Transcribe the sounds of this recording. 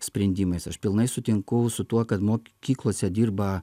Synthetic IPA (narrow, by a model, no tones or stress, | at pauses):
sʲpʲɾʲɛnʲd̪ʲiːmɐɪsɐʃpʲɪlˠnɐɪsʊt̪ʲɪŋkʊʊsʊt̪uɔkɐt̪moːkʲiːklˠuɔsʲɛd̪ʲiːrbɐ